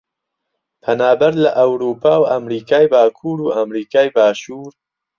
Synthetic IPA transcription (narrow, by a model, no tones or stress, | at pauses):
pʰɐnaːbɐɾlɐʔɐwɾuːpʰaːwɐmɾiːkaːjbaːkʰuːɾuːʔamɾiːkaːjbaːʃuːɾ